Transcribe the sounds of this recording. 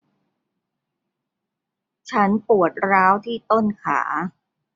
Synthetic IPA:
t͡ɕʰa˦˥npu˨˩ət̪̚ɾaː˦˥wt̪ʰiː˥˩t̪o˥˩nkʰa̰ː˩˦

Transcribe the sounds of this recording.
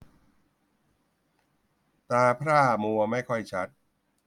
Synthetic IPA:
t̪aː˧pʰɾaː˥˩mu˧ɐma˥˩jkʰɔ˥˩jt͡ɕʰa˦˥t̪̚

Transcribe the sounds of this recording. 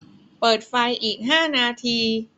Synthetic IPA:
pɤː˨˩t̪̚fa˧jʔiː˨˩k̚ɦaː˥˩naː˧t̪ʰiː˧

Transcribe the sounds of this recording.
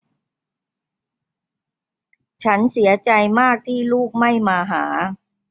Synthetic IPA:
t͡ɕʰa˦˥nsi˩˦ɐt͡ɕa˧jmaː˥˩k̚t̪ʰiː˥˩luː˥˩k̚ma˥˩jmaː˧ɦaː˩˦

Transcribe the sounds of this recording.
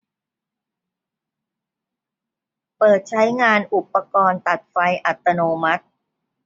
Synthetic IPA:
pɤː˨˩t̪̚t͡ɕʰa˦˥jŋaː˧nʔu˨˩pːa˧kɔː˧nt̪a˨˩t̪̚fa˧jʔa˨˩t̪ːa˧noː˧ma˦˥t̪̚

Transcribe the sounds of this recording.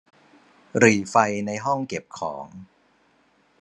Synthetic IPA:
ɾiː˨˩fa˧jna˧jɦɔ˥˩ŋke˨˩p̚kʰɔ̰ː˩˦ŋ

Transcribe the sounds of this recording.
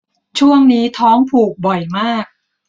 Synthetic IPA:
t͡ɕʰu˥˩əŋniː˦˥t̪ʰɔː˦˥ŋpʰuː˨˩k̚bɔ˨˩jmaː˥˩k̚

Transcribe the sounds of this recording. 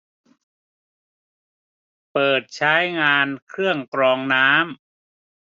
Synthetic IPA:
pɤː˨˩t̪̚t͡ɕʰaː˦˥jŋaː˧nkʰɾɯ˥˩əŋkɾɔː˧ŋnaː˦˥m

